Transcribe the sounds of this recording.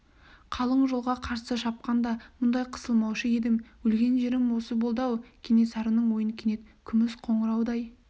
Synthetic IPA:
qʰɑlˠəɴʒolˠʁɑqʰɑɾsəʃɑp̚qɑnd̪ɑmʊnd̪ɑjqʰə̥səlˠmɑwʃəe̞d̪ɪmwɵlɡʲe̞nʒeɾɪmwo̞səbolˠd̪ɑwkʲʰene̞sɑɾənəɴwo̞jənkʲʰene̞t̪kʲʰʏmɪsqʰo̞ɴəɾɑwd̪ɑj

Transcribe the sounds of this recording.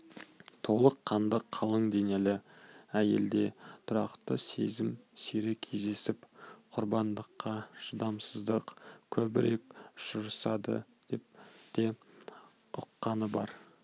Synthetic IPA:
t̪ʰo̞lˠəqʰːɑnd̪əqʰːɑlˠəɴd̪e̞ŋe̞lɪæje̞ld̪e̞t̪ʰʊɾɑ̰qt̪əse̞̰zɪmsiɾɪkʲʰe̞zd̪e̞sɪpqʰʊɾbɑnd̪əqːɑʃʊd̪ɑmsəzd̪əqkʲʰɵbɪɾe̞kʒʊɾəsɑd̪ə̰d̪̥e̞p̚t̪e̞ | ʊqːɑnəbɑɾ

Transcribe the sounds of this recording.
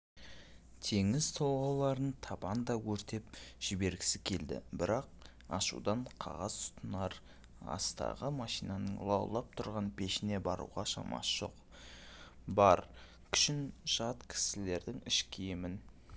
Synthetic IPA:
t̪ʰe̞ŋɪzt̪ʰolˠʁɑwlˠɑɾənt̪ʰɑbɑnd̪ɑwɵɾt̪e̞p̚ʒ̥ɪbe̞ɾɡʲɪ̥sɪkʲʰe̞ld̪ɪ̰bɪɾɑq̚ | ɑʃṵd̪ɑɴqʰɑ̰ʁɑzt̪ʰʊ̥t̪ʰənɑɾ | ɑ̰st̪ɑ̰ʁəmɑʃijnɑnəɴlˠɑwlˠɑp̚t̪ʰʊɾʁɑnpʰe̞ʃɪne̞bɑɾṵʁɑʃɑ̰mɑ̰sʒ̥o̞̰q | bɑɾ | kʲʰʏ̥ʃɪnʒɑt̪kʲʰɪ̥sɪle̞ɾd̪ɪŋɪʃkʲʰejemɪn

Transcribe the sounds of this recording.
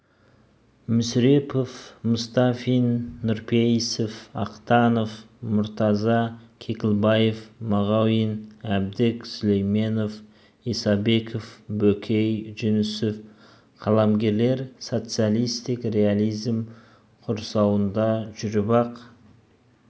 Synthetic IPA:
mʏsɾe̞pofmʊst̪ɑfinːʊɾpʰejsɪfɑqt̪ɑno̞f | mʊɾt̪ɑzɑkʲʰe̞kʲɪlˠbɑjefmɑʁɑwinæb̚d̪ɪksʊlejme̞nof | isɑbe̞kʰofbɵkʲʰejʒɪnɪsɪf | qʰɑlˠɑmɡʲe̞ɾle̞ɾso̞t̪sɨjalˠijst̪ɪkre̞alijzm | qʰʊɾsɑwənd̪ɑʒʏɾbɑq

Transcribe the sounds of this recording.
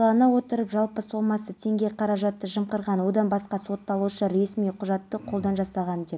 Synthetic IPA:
ɑnəwo̞t̪əɾəpʒɑlˠpəso̞mɑsət̪ʰe̞ŋɡʲe̞qʰɑɾɑʒɑt̪ːəʒəmqəɾʁɑnwo̞d̪ɑnbɑsqɑso̞t̪ːɑlˠuʃəɾe̞smijqʰʊʒɑt̪ːəqʰolˠd̪ɑnʒɑsɑʁɑnd̪e̞p

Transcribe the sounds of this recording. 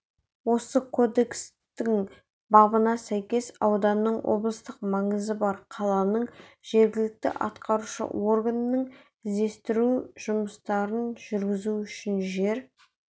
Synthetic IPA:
wo̞səkʰo̞d̪e̞ks | t̪ɪŋ | bɑbənɑsæjkʲe̞sɑwd̪ɑnːəɴwʔo̞̰blˠəst̪əq̚mɑɴəzəbɑɾqʰɑlˠɑnəɴʒ̥e̞ɾɡʲɪlɪk̚t̪ɪ̰ʔɑ̰t̪qɑɾuʃə̰wʔo̞rɡanːəɴ | ɪzd̪e̞st̪ɪɾuʒ̥ʊməst̪ɑɾənʒ̥ʏɾɡʲɪzuʏʃɪnʒe̞ɾ

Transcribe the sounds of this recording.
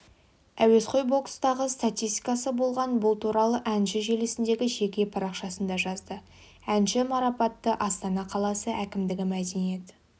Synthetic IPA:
æwe̞sqʰo̞jbo̞kst̪ɑʁəst̪at̪ʲist̪i̥kɑsəbo̞lˠʁɑnbʊlˠt̪ʰuɾɑlˠəʔænʃɪʒe̞lesɪnd̪e̞ɡʲɪʒe̞kʲe̞pʰɑɾɑqʃɑsənd̪ɑʒɑzd̪ə | ænʃɪmɑɾɑpɑt̪ːəʔɑst̪ɑnɑqʰɑlˠɑsəʔækʲɪmd̪ɪɡʲɪmæd̪e̞nije̞t̪

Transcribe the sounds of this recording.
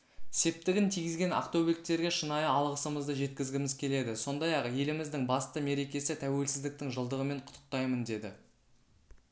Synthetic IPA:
se̞p̚t̪ɪɡʲɪnt̪ʰijɪzɡʲe̞na̰qt̪owbek̚t̪e̞ɾɡʲe̞ʃənɑjəɑlˠʁəsəməzd̪əʒe̞t̪̚kʲɪzɡʲɪmɪzkʲʰe̞le̞d̪ɪso̞nd̪ɑjɑqje̞lɪmɪzd̪ɪŋbɑst̪əme̞ɾe̞kʲe̞sɪt̪ʰæwe̞lsɪzd̪ɪk̚t̪ɪŋʒəlˠd̪əʁəme̞ɴqʰʊ̥t̪ʰːə̥q̚t̪ɑjmənd̪e̞d̪ɪ

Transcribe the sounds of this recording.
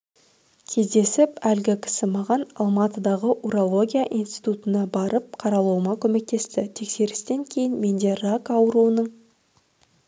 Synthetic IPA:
kʲʰe̞zd̪e̞sɪpælɡʲɪkʲʰɪ̥sɪmɑʁɑnɑ̰lˠmɑt̪əd̪ɑʁəʔuɾolˠo̞ɡʲijaʔinst̪i̥t̪ut̪ənɑbɑɾəp̚qʰɑɾɑlˠuwəmɑkʲʰɵme̞k̚t̪e̞st̪ɪt̪ʰe̞kse̞ɾɪst̪e̞ŋkʲʰe̞jɪnme̞nd̪e̞rakɑwəɾuənəɴ

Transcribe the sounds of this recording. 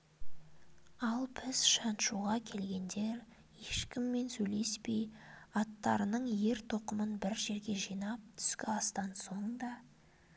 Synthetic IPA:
ɑlˠpʰɪsʃɑnʃuʁɑkʲʰe̞lɡʲe̞nd̪e̞ɾ | je̞ʃkʲɪmːe̞nsɵjle̞spe̞jɑt̪ːɑ̰ɾənəɴje̞ɾt̪ʰo̞qəmənbɪɾʒe̞ɾɡʲe̞ʒijnɑp̚t̪ʰʏ̥skʲɪɑst̪ɑnso̞ɴd̪ɑ

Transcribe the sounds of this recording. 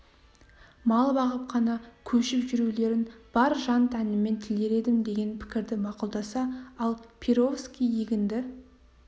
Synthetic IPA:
mɑlˠbɑʁəp̚qʰɑnɑkʲʰɵʃɪpʒʏɾule̞ɾɪnb̥ɑɾʒɑnt̪ʰænɪme̞nt̪ʰɪld̪e̞ɾe̞d̪ɪmd̪e̞ɡʲe̞npʰɪ̥kʲɪɾd̪ɪmɑqʊlˠd̪ɑsɑɑlˠpʰiɾo̞fskʲijiɡʲɪnd̪ɪ

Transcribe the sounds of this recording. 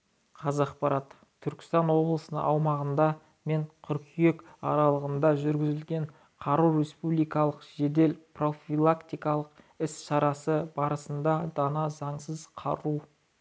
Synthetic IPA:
qʰɑzɑqpɑɾɑt̪ʰː | ʏɾkʲɪ̥st̪ɑnwo̞blˠəsənə̰ɑwmɑʁənd̪ɑ | me̞ɴqʰʏɾkʲʰijek | ɑɾɑlˠəʁənd̪ɑʒʏɾɡʲɪzɪlɡʲe̞ɴ | qʰɑɾuwɾe̞spublijkɑlˠəqʒ̥e̞d̪e̞lpro̞filˠakt̪ijkɑlˠəq | ɪsʃɑɾɑsəbɑɾəsənd̪ɑd̪ɑnɑzɑɴsəzqʰɑ̰ɾu

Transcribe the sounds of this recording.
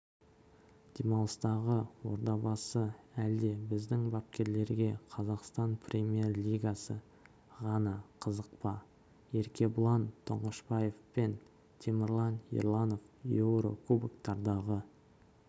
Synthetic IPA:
d̪̥emɑlˠəst̪ɑʁəwo̞̰ɾd̪ɑbɑsəæld̪e̞bɪzd̪ɪŋbɑp̚kʲe̞ɾle̞ɾɡʲe̞qʰɑzɑqst̪ɑnpʰrʲemʲje̞rlʲijɡasə | ʁɑnɑqʰəzəq̚pɑ | e̞ɾkʲe̞bʊlˠɑnt̪ʰoɴəʃbɑje̞fpen | t̪ʲʰemʲɪɾlˠɑnḭɾlˠɑno̞fjowɾo̰kubəkt̪ɑɾd̪ɑʁə

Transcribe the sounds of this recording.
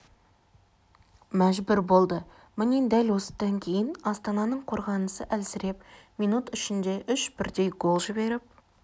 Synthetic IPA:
mæʒbɪɾbo̞lˠd̪ə | mɪne̞d̪ælwo̞sə̥d̪̥ɑŋkʲʰe̞jɪnɑst̪ɑnɑnəɴqʰo̞ɾʁɑnəsəʔælsɪɾe̞p̚mijnut̪ʏʃɪnd̪e̞ʔʏʃb̥ɪɾd̪e̞jɡo̞lˠʒɪbe̞ɾɪp̚

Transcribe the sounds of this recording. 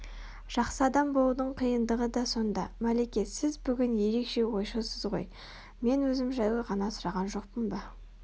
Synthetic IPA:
ʒ̥ɑqsəɑd̪ɑmbo̞lˠud̪əɴqʰijənd̪əʁəd̪ɑso̞nd̪ɑmælekʲe̞t̪sɪzbʏɡʲɪnje̞ɾe̞kʃe̞wo̞jʃusəzʁo̞̰j | me̞nwɵzɪmʒæjwəʁɑnɑsʊɾɑʁɑnʒo̞q̚pənbɑ

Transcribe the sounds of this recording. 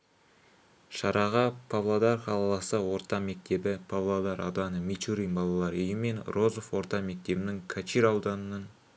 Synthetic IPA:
ʃɑɾɑʁəpʰavlˠod̪ɑrχɑlˠɑlˠɑsəwo̞ɾt̪ɑme̞k̚t̪e̞bɪpʰavlˠod̪ɑɾʔɑ̰wd̪ɑnəmit͡ʃ̪uɾijnbɑlˠɑlˠɑɾɵjɪme̞nro̞zo̞fwo̞ɾt̪ɑme̞k̚t̪e̞bɪnɪŋkʰat͡ʃiɾɑwd̪ɑnənən

